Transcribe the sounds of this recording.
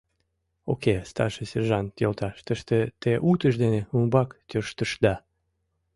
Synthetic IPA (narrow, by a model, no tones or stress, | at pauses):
o̰kest̪ɑ̰rʃəserʒɑnt̪jolt̪ɑʃt̪əʃt̪et̪eʔut̪əʃ̬d̪eneumbɑkt̪ʲøʃt̪əʃd̪ɑ